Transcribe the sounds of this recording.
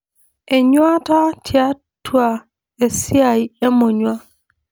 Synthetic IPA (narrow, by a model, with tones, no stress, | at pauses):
e˨ɲwa˦ta˦tʰja˦ | twa˦˨ | e˨sja˨i˦e˦mo˨ɲwa˦